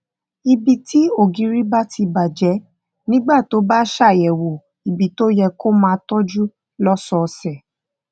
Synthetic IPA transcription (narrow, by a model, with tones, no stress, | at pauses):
i˧bi˧tʰi˦o˦˨ɡĩ˨˦ɾi˦ba˦tʰi˧ba˨d͡ʒɛ˨˦ | nĩ˦ɡ͡ba˦˨to˨˦ba˦ʃa˦˨jɛ˨wo˨ | i˨bi˨to˦jɛ˧ko˦mã˧tɔ˦d͡ʒu˦ | lɔ˦sɔ˧sɛ˦˨